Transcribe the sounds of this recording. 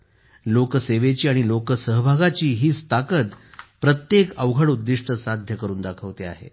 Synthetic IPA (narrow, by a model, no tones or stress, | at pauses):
lokəseʋet͡ɕiːaɽ̃ilokəsəɦbʱaɡat͡ɕiːɦiːst̪ʰakət̪pɾət̪jekəʋɡʱaɽud̪ːiʂʈəsad̪ʱjəkəɾuːnd̪akʰəʋt̪ea̰ɦḛ